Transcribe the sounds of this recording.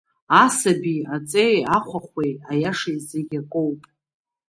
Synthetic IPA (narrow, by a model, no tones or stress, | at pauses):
asabiat͡sʼejaχʷʰaχʷwejajaʂajzeɡʲakʼowpʼ